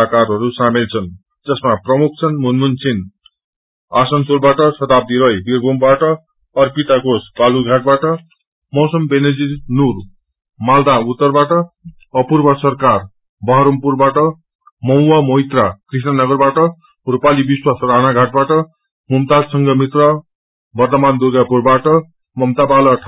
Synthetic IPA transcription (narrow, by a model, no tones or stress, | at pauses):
akarɦʌɾusamilt͡sʰʌn | d͡zʌsmaprʌmuk̚ʰt͡sʰʌnmunmunsʰin | asʌnsolbaʈʌsʌt̪ab̚d̪iɾʌjbirbʱombaʈʌ | ʌrpit̪akosbaluɡʱaʈ̚baʈʌ | mʌwsʌmbened͡zinur | mald̪aut̪ːʌrbaʈʌː | purbʌsʌrkar | bʌɦʌɾʌmpurbaʈʌ | mʌuwamoɦit̪rakrisnʌnʌɡʌrbaʈʌ | rupalibiswasranaɡʱaʈ̚baʈʌ | mumt̪adsʌŋɡʌmit̪rʌ | bʌrt̪ʌmand̪uɡapurbaʈʌ | mʌmt̪abalʌʈʰ